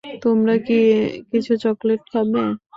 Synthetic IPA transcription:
t̪omɾakikit͡ɕʰut͡ɕɔkleʈ̚kʰabe

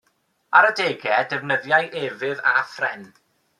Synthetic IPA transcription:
aɾədeːɡɛdɛvnəðjajʔeːvɪðafrɛn

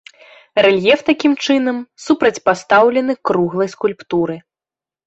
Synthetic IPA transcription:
rɛlʲjɛft̪akʲimt͡ʂɨnɐmsupɾɐt͡sʲpast̪awlʲɛnɨkɾuɣlˠɐjskulʲpt̪uɾɨ

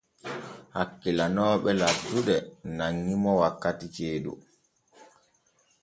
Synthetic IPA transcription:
hakːilanɔːɓɛlatːuɗɛnaŋːimɔwakːatit͡ʃeːɗṵ

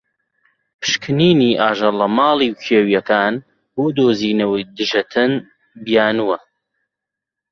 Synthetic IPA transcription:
pʰɨ̥ʃkʰɨniːniːʔaːʒɐlɐmaːlˠiːwkʰeːwijɐkaːn | bud̪oːziːnɐwijd̪ɨʒɐt̪ʰɨn | bijaːnuwɐ

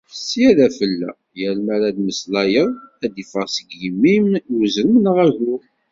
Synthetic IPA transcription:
sːiæðæfəlːæ̰ | jælmæɾæd̪məslɑjəðˤæd̪ifəɾˤsəɡjəmːimuzəɾəmənʁɑʒu

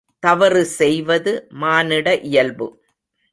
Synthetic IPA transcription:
t̪ɐʋɐɾɯsɛjʋɐðɯmaːnɪɽɐʔɪjɐlbɯ̰

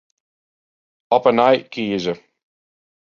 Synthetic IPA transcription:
ɔpənaɪʔ̚kʰiːɪzə

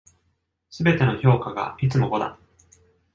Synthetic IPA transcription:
sɨbe̞t̪e̞no̞ço̞ːkaɡa̰it͡sɨmo̞ɡo̞d̪a̰

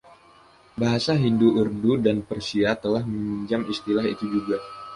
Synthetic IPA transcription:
baɦasaɦinduʔurdudanpərsiat̪əlahməiɲd͡ʒamist̪ilaɦit̪ud͡ʒuɡa

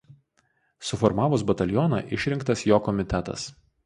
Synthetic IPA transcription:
sʊfɔɾmɑːʋʊs̬bɐt̪ʲɐlʲjɔnɑ̰ʔɪʃʲɾʲɪŋkt̪ɐsjoːkɔmʲɪt̪ʲɛt̪ɐ̰s

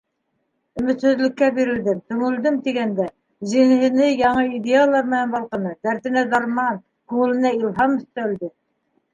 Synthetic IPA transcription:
ɵ̆mɘ̆t̪hɵ̆zlɘ̆kːæbiɾɘ̆ld̪ɘmt̪ɵ̆ŋɘ̆ld̪ɘmt̪iɡænd̪æ | zinɘ̆ɦɘ̆nɘjɑɴɤid̪ealˠɑɾmɘ̆nænbɑlˠqɤ̆nɤd̪æɾt̪ɘ̆næd̪ɑɾmɑn | quwɘ̆lˠɘ̆næilˠɦɑmɵ̆st̪æld̪ɘ

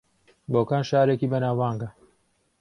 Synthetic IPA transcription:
boːkaːnʃaːɾekiːbɐnaːwaːŋɡɐ

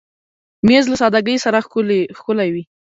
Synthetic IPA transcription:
mezlasɑd̪aɡəjsaɾaxlxkʊlajwi

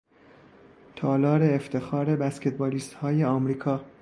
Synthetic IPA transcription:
t̪ʰɒːlɒːɾe̞ːft̪ʰe̞xɒːɾe̞bæskʰet̪̚bɒːliːst̪hɒːje̞ɒːmɾiːkʰɒː

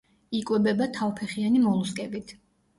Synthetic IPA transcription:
ikʼwɛbɛbat̪ʰavpʰɛχianimɔlˠuskʼɛbit̪ʰ

